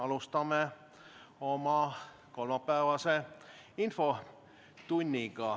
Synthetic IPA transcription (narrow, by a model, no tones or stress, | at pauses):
ɑlust̪ɑmːe | omɑ | kolmɑpːæːʋɑse | info | t̪unʲːiɡɑ